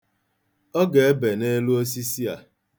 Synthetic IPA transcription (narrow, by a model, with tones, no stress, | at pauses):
ɔ˦ɡe˨e˦be˨ne˦lu˦o˦s̬i˦si˦a̰˨